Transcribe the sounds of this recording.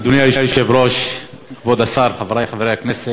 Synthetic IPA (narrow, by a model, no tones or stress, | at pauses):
d̪uniajiʃjuʃevɾoʃ | vod̪asaɾχavɾajχaveɾejhaknɛse